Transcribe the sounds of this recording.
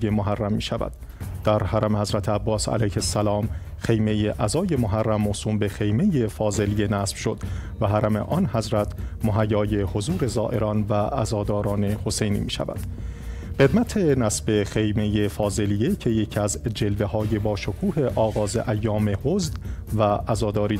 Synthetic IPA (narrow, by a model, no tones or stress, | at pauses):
jemoɦærːæmːiːʃævæ̰d̪̥ | d̪̥æɾhæɾæmehæzɾæt̪ʰeæbːɒːsæ̰læjhe̞sːælɒːm | χe̞jme̞jeʔæzɒːjemoɦærːæmːoːsuːmbe̞xe̞jme̞je̞fɒːze̞lijenæsb̥ʃo̞d̪væɦæɾæme̞̰ʔɒːnhæzɾæt̪ʰmoɦæjːɒːje̞ho̞zuːɾe̞zɒːʔe̞̰ɾɒːnvææzɒːd̪ɒːɾɒːne̞ho̞se̞jnḭːmiːʃæ̰væ̰d̪̥ | ɢ̥e̞d̪mæt̪ʰenæsbexe̞jmeje̞fɒːze̞lijecʰe̞jecʰiæzd͡ʒe̞lve̞hɒːjebɒːʃo̞kʰuːheʔɒːɣɒːzeʔæjːɒːme̞hozd̪væʔæzɒːd̪ɒːɾiː